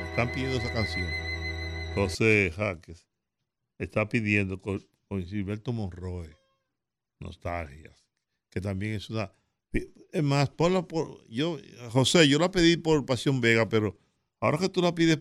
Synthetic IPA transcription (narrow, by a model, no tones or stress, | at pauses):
est̪ampiðjend̪oesakansjo̞ŋ | ho̞sexakes | est̪apiðje̞nd̪o̞ko | kosilβe̞lt̪omõ̞nro̞e | no̞̰st̪alxja̰s | ke̞t̪ambje̞ŋesuna | piezmasponlapoɾʝoxo̞se̞ʝo̞lape̞ðipo̞ɾpasjo̞mbe̞ɣape̞ɾo̞ | ao̞ɾake̞t̪ulapiðes